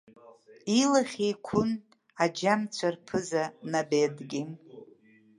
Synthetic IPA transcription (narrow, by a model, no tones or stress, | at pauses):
ilaχʲejkʷʰʊn | ad͡ʒamt͡sʷʰarpʰɨzanabedɡʲi